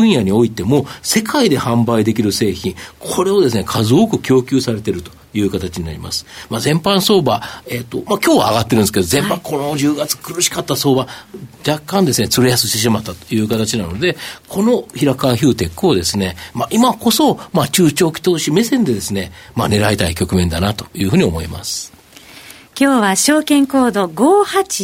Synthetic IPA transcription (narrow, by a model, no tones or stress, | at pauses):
ɯ̟̃ɰ̃jaɲ̟ioit̪e̞mo̞se̞kaid̪e̞hãmbaid̪e̞k̬ʲiɾɯ̟se̞ːçĩŋkʰo̞ɾe̞o̞d̪e̞sɨne̞kʰazɨkɯ̟kʲo̞ːkʲɨ̟ːsaɾe̞t̪e̞ɾɯ̟t̪o̞̥jɯ̟ːkat̪at͡ɕiɲ̟ina̰ɾḭma̰sɨ̥mazẽ̞mpãɰ̃so̞ːbaet̪ːo̞makʲo̞ːβa̰ːɡat̪ːe̞ɾɯ̃nsɨked̪ozẽ̞mpãkʰo̞no̞d͡ʑɨːɡat͡sɨ̥kɯ̟ɾɯ̟ɕi̥kat̪ːaso̞ːbad͡ʑakːãnd̪e̞sɨne̞t͡sɨɾejasɨɕt̪e̞ɕ̬imat̪ːat̪o̥jɯ̟ːkat̪at͡ɕinano̞d̪e̞kʰo̞no̞çiɾakaçɨːt̪e̞kːɯ̟o̞d̪e̞sɨne̞maʔimako̞so̞mat͡ɕɨːt͡ɕo̞ːkʲi̥t̪o̞ːɕime̞sẽ̞nd̪e̞d̪e̞sɨne̞mane̞ɾaet̪aikʲo̞kɯ̟mẽ̞nd̪anat̪o̞̥jɯ̟ːɦɯ̟ːɲ̟iomo̞̰ḭma̰sɨ̥ | kʲoːβaɕo̞ːkẽ̞ŋko̞ːd̪o̞ɡoːhat͡ɕi